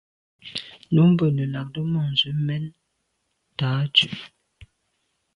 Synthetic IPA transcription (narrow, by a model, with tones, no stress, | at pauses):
nu˨˦m˦bə˦˨nə˨la˨k̚də˦mɔ˨n̩˨zʉ˨˦mɛ˦n | taː˨˦t͡ʃʉ˨